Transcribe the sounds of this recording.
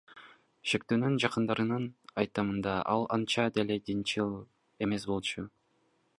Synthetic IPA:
ʃek̚t̪ønynd͡ʒɑqɯnd̪ɑɾɯnɯnɑ̰jt̪ɑmɯnd̪ɑʔɑlˠɑnt͡ʃɑd̪e̞led̪int͡ʃɯlˠ | e̞me̞sbo̞lˠt͡ʃu

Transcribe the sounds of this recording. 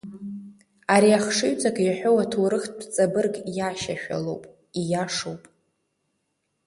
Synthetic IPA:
aɾiaχʂɨɥt͡sʼakʼjaħʷᶣowatʰuɾɨχtʰʼpʰt͡sʼabɨrɡjaʃa̰ʃᶣa̰lowpʼ | ijaʂowpʼ

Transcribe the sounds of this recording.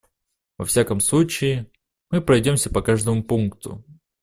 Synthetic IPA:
vɐ̰fsʲakəmslˠut͡ɕɪɪ | mɨpɾɐjdʲo̞msʲəpɐkaʐd̪əmʊpunkt̪ʰʊ̰

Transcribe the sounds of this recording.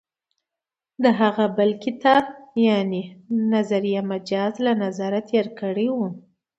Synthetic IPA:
d̪əɦaɣabəlkɪt̪ɑbjanenazaɾijamad͡ʒɑzlanazaɾat̪ʰeɾkəɽewu

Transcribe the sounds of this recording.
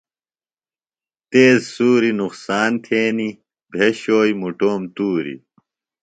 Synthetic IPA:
t̪eːzsuːɾinuqsaːnt̪ʰeːni | bʱeɕoːjmuʈoːmt̪uːɾḭ

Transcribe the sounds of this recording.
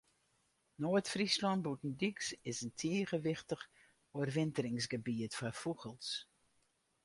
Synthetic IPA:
noətfrislɔnbutn̩dyksɪsəntʰeːəɣəʋɪxtəx | oərʋɪntəɾɪŋsɡəbiətfɔfuɣəlˠs

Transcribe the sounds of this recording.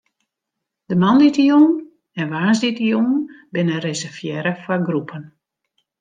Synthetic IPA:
d̥əmanditijun | ɛnʋaːsdɪtijunbɪnərezɛrfjɛɾəfɔɡrupʰən

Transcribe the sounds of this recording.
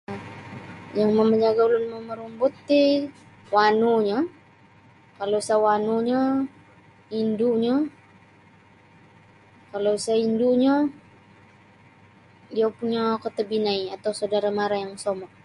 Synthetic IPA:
jaŋməməɲd͡ʒaɡaulʊnməməɾumbut̪ːi | wanuɲa | kalosawanuɲa | induɲa | kalosainduɲa | diapuɲakət̪əbinaiat̪awsawdaɾamaɾajaŋsomɔʔ

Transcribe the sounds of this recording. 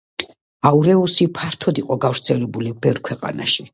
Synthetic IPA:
auɾɛusipʰaɾt̪ʰɔd̪iqʼɔɡavɾt̪sʰɛlɛbulibɛvɾkʰwɛqʼa̰na̰ʃi

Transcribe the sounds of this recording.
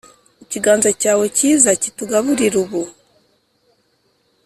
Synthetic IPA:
iciɡaːnzacaːweciːzacituɡaβuɾiɾuβu

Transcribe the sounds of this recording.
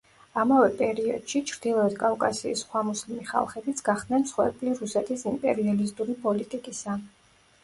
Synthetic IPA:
amavɛpʼɛɾiɔ̰d̪̥ʃit͡ʃʰɾd̪̥ilˠɔɛd̪kʼavkʼasḭːsχwamuslimiχa̰lˠχɛbit̪sʰɡ̥aχd̪nɛnmsχwɛ̰ɾbʼliɾusɛt̪ʰisimpʼɛ̰ɾialisd̪ʼuɾipʼɔlit̪ʼikʼisa

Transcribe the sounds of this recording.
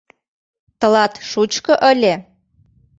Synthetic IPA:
t̪ɤ̆lɑt̪ʃut͡ɕkɤ̆ʔə̆lʲe

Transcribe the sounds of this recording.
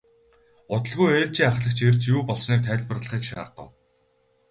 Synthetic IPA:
ʊt̪ə̆ɮɣujeːɮt͡ɕiːŋaχɮə̆kt͡ɕʰert͡ɕjuːpɔɮsniːk̚t̪ʰæːɮpə̆rɮə̆χiːkʃa̰ːɢʊ̰̆w

